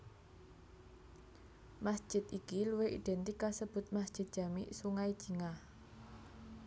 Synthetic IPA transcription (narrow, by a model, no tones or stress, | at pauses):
masd̥ʒ̥ɪ̤t̪ikiluweʔḭd̪̥ɛnt̪ikasəb̥ʊ̤t̪̚masd̥ʒ̥ɪt̪̚dʒ̥a̤miʔsuŋaid̥ʒ̥i̤ŋah